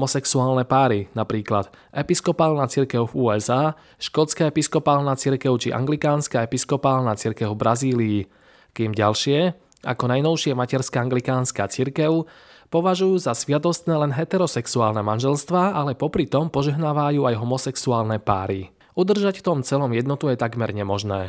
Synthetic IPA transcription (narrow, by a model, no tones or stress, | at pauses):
ɔsɛksuaːlnɛpaːɾinapɾiːklad̪̥ | ɛpiskɔpaːlnaːt͡siɾkɛʊfuːɛzaː | ʃkɔt͡skaːɛpiskɔpaːlnat͡siɾkɛʊt͡ʃḭʔa̰ŋɡlikaːnskaːɛpiskɔpaːlnat͡siɾkɛʊbɾaziːliː | kiːmɟa̰lʃɪɛ | a̰kɔnajnɔʊʃɪɛmacɛɾskaːaŋɡlikaːnskaːt͡siɾkɛʊ | pɔʋaʒujuːzasʋɪat̪ɔst̪nɛːlɛnɦɛt̪ɛɾɔsɛksuaːlnɛmanʒɛlst̪ʋaːʔalɛpɔpɾit̪ɔmpɔʒɛɦnaːʋajuːajɦɔmɔsɛksuaːlnɛpa̰ːɾi | ud̪r̩ʒacft̪ɔmt͡sɛlɔmjɛd̪nɔt̪ujɛt̪aɡmɛɾɲɛmɔʒnɛː